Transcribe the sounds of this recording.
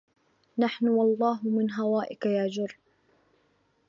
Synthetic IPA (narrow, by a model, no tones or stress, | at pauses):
naħnʊwɑlˤːɑːɦʊmɪnɦawaːʔɪkajaʕd͡ʒʊrˤː